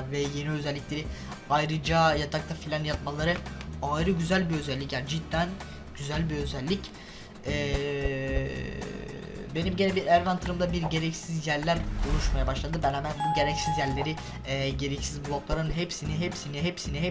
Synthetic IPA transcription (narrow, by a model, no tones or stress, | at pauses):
vɛje̞niø̞zɛlʲːiclʲe̞ɾi | ajɾɯd͡ʒajad̪ʰak̚t̪afilʲanjat̪̚malˠaɾɯajɾɯɟyzælʲbiø̞zælʲːicæɾd͡ʒid̪ːæn | ɟ̥yzælʲbiø̞zælʲːic | ɛː | be̞nimɟenʲɛbiɾæɾvant̪ʰɯɾɯmd̪abiɾɟe̞ɾɛcsizjæɾlʲæɾkʰo̞lˠuʃmajabaʃlˠad̪ɯbænhamænbuɟe̞ɾɛcsizjæɾlʲe̞ɾiː | ɟe̞ɾɛcsizblˠoklˠaɾɯnɦepsiniɦepsiniɦepsiniɦɛ